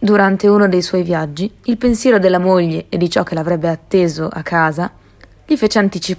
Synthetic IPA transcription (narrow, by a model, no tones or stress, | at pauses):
d̪uɾant̪euːnod̪ejswɔjvjad͡ʒːiːlpensjɛːɾod̪elːamoʎːeːd̪ːit͡ʃɔk̟ːelavɾɛbːeat̪ːeːzoʔa̰kʰːaːza | ʎifeːt͡ʃeant̪it͡ʃi